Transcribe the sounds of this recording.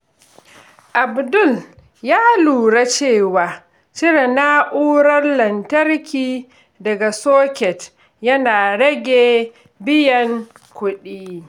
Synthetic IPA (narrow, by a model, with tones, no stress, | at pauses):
ʔa˨bdʊ˦˨l | jaː˦luː˨ɽa˦t͡ʃeː˦˨waː˨ | t͡ʃɪ˦ɾe˨na˦ʔuː˦ɽɐ˦rlɐ˨ntɐ˦rkʲiː˦ | dɐ˨ɡa˨soː˦kʲɛ˨t | jɐ˦naː˨ɽɐ˦ɡʲeː˨ | bɪ˦jɐ˨ŋ | kʷʊ˦ɗiː˦